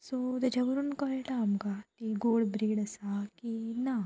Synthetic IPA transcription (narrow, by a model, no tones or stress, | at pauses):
sot̪jat͡ɕʰaʋəɾuːnkəɭʈaːmkat̪iɡoɭbɾiːɽəsakina